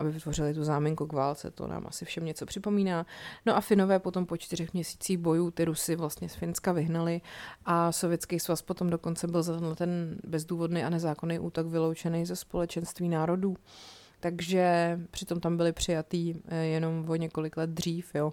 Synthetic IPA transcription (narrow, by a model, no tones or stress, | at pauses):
ʔabɪvɪt̪vo̞rɪlɪt̪uzaːmɪŋkuɡvaːlt͡sɛ̰t̪o̰na̰ːmʔa̰sɪfʃɛmɲɛt͡so̞pr̝̥ɪpo̞miːnaːno̞ʔafɪno̞vɛːpo̞t̪o̞mpo̞t͡ʃt̪ɪr̝ɛxmɲɛsi̥ːt͡siːxbo̞juːt̪ɪɾusɪvlast̪ɲɛsfɪnskavɪɦnalɪʔaso̞vjɛtt͡skejsvaspo̞t̪omdo̞ko̞nt͡sɛbɪlzat̪ɛnɦlɛt̪ɛnbɛzduːvo̞dnejʔanɛzaːkonejʔuːt̪o̞kvɪlowt͡ʃɛnɛjzɛspo̞lɛt͡ʃɛnst̪viːnaːɾo̞duː | t̪aɡʒɛpr̝̥ɪt̪o̞mt̪ambɪlɪpr̝̥ɪjat̪iːjɛno̞mvo̞ɲɛko̞lɪklɛd̪̚dr̝iːfjo